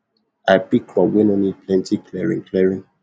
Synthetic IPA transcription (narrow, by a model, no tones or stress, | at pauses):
aɪpikʰlɔwɛnɔnid̚pʰlɛ̃ntikʰlɛɹḭ̃nklɛɹĩn